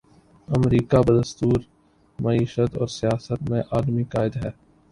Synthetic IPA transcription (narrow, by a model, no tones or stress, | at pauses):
ɐmɾiːkabəd̪əst̪uːɾ | mɐiːʃət̪ɔːɾsɪjaːsət̪mẽʔaːlmikaːɪd̪aɦɛː